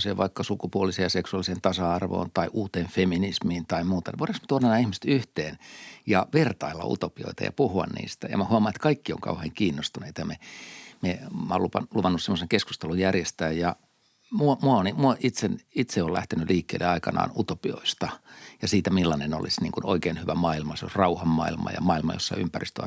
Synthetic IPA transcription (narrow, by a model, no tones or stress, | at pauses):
seːʋʋɑ̰ikːɑsukupuolisejɑseksuɑlˑiseːnt̪ɑsɑɑrʋo̰ːnt̪ɑiʔuːt̪eːnfeminismiːnt̪ɑimuːt̪ɑneʋotːɑksmet̪uonɑnæːihmisĕ̥t̪yht̪eːnjɑʋert̪ɑilːɑ̰ṵt̪opio̰it̪ɑ̰jɑ̰puhuɑ̰nnḭːst̪æjɑ̰mæhuɑmɑnet̪kɑikːio̰ŋkɑ̰uheːŋkiːnːost̪uneit̪ɑjɑmememæolupɑluʋɑnːussemːoseŋkesku̥st̪elujjærjest̪æːjjɑ | muomuɑonimuoʔit̪senit̪seolæ̰ht̪enyliːkːḛːlḛɑikɑnɑ̰ːnut̪opio̰ist̪ɑjɑsiːt̪æmilːɑneno̰lisnḭːŋkuno̰ikeːnhyʋæmɑilmɑseo̰srɑuhɑmːɑ̰ilmɑ̰jɑ̰mɑilmɑjo̰sːɑ̰ympærist̪øɑ̰